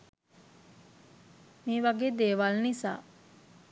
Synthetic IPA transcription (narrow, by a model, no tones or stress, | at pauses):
miːʋaɡeːd̪eːʋalnisa̰ː